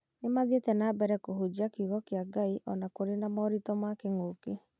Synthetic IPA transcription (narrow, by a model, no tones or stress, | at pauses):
nemaðetɛnabɛɾɛkoɦod͡ʑiakiɣɔkeaɡaiʔɔnakoɾenamɔɾitɔmakeŋoke